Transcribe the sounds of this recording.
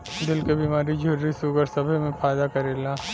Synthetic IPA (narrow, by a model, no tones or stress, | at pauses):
d̪ɪlkebiːmaːɾid͡ʒʱʊɾɾisuɡəɾsɐbʱemẽfaːjd̪akɐɾeːlaː